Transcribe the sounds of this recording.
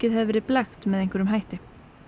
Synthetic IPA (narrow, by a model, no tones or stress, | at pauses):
ɪðɦɛðvɛːɾɪðplaxt̪mɛðejŋ̥kvɛɾʏmɦajht̪ɪ